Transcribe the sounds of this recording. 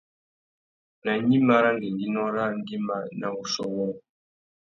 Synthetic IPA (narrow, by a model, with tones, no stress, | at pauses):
na˨ɲi˦ma˦ɾa˦ŋ˨ɡi˨n˨di˦nɔ˦ɾa˦n̩˦di˦ma˦na˦u˨sɔ˦wɔ˦ŋ˨